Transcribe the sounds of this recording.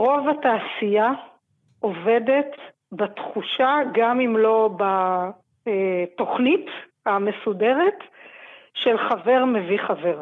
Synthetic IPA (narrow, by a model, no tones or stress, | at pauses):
ʁo̞vataːsija | ʔove̞det | batχuʃaɡamimlo̞ba | eto̞χnithamesude̞ʁet | ʃelχave̞ʁme̞viχave̞ʁ